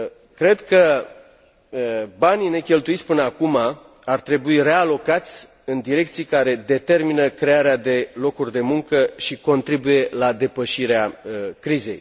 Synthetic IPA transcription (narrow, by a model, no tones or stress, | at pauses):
kɾe̞d̪kə | banine̞kʲe̞lt̪uit̪sʲpɨnəakuma | art̪ɾe̞buire̞alo̞kat̪sʲ | ɨnd̪iɾe̞k̚t̪sijkaɾe̞d̪e̞t̪e̞rminəkɾe̞aɾead̪e̞lo̞kurʲd̪e̞muŋkəʃiko̞nt̪ɾibuje̞lad̪e̞pəʃiɾeakɾize̞̰j